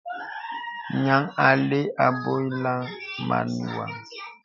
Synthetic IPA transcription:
ɲa˨ŋa˨le˦a˨bo˦jla˦ma̰˨nu˨wa˨ŋ

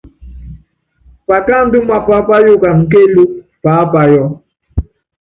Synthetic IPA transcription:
pa˨ka˦˨m̩˦bi˦ma˨pa˦pa˦ju˦ka˨ŋ̩˨k̬e˦lu˦ | pa˨˦pa˨jɔ˦

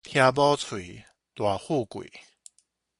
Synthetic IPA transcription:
t̪ʰja˧bɔ˦t͡sʰwi˨˩ | t̪wa˨˩hu˥˧˨kwḭ˨˦

